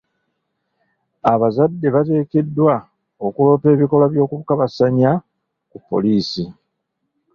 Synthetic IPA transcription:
aβazadːe̞βate̞ːke̞dːwa | o̞kulo̞ːpe̞ːβiko̞laβjo̞ːkuβukaβasaɲa | kupːo̞̰liːsi

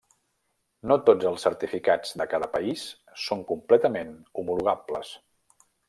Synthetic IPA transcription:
not̪od͡zəlˠsːəɾt̪ifikad͡zd̪əkaðəpəis | soŋkumplɛt̪əmenumuluɣabləs

